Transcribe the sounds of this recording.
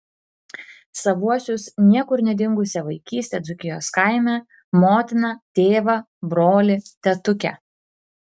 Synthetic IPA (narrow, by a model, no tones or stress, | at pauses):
sɐʋuɔsʲʊsnʲiɛkʊɾnʲɛd̪ʲɪŋɡʊsʲɛʋɐɪkʲiːsʲt̪ʲeːd̪zʊkʲɪjoːskaɪmʲɛ | moːt̪ʲɪnɐt̪ʲeːʋɐ | bɾoːlʲɪt̪ʲɛt̪ʊkʲɛ̰